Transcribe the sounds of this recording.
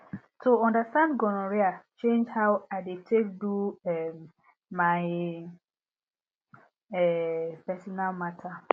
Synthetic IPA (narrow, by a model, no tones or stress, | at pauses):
tʰuɔ̃ndastãndɡɔ̃nɔ̃ɹiat͡ʃẽnd͡ʒhawaɪdetʰekduɛmː | aɪ | ɛpɛsɔnalmatʰa